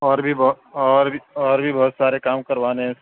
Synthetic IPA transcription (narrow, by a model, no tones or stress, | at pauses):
ɔːɾbʱib | ɔːɾiɔːɾbʱibɐɦʊt̪saːɾekaːmkɐɾʋaːneɦɛ̃